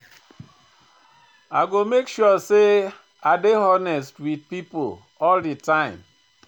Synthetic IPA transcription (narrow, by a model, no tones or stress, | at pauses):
aɡomekʃuɔse | adeɦɔnɛstwid̚pipo̰ | ɔlditãɪ̃m